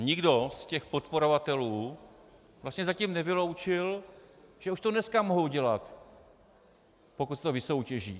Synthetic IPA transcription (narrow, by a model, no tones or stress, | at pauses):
ɲɪɡdo̞scɛxpo̞t̪po̞ɾo̞vat̪ɛluː | vlast̪ɲɛzaciːmnɛvɪlo̞wt͡ʃɪlʒɛuʃt̪odnɛskamoɦowɟɛlat̪ | po̞kut̪st̪ovɪso̞wcɛʒḭː